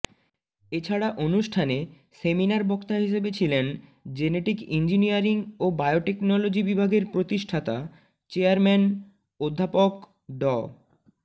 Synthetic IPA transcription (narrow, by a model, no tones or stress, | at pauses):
et͡ɕʰaɽaʔonuʃʈʰane | seminaɾbɔkt̪aɦiʃ̬ebet͡ɕʰilend͡ʑeneʈikḭnd͡ʑiniaɾiŋobajoʈeknɔlod͡ʑibibʱaɡeɾpɾot̪iʃʈʰat̪a | t͡ɕeaɾmɛn | od̪ʱːapok | ɖɔ